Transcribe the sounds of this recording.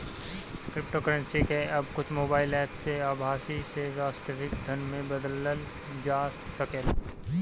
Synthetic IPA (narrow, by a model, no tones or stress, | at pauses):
kɾɪp̚ʈoːkəɾə̃nsikeɐbkʊt͡ʃʰmoːbaːɪlɛːpʰseaːbʱaːsisezaːsʈəɾɪkd̪ʱənmẽbəd̪ləl | d͡ʒaːssəkel